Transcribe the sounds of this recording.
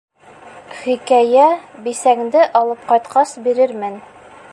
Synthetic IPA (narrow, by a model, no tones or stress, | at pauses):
χikæjæbisæŋd̪ɘʔɑlˠɤp̚qɑjt̪qɑsbiɾɘɾmɘn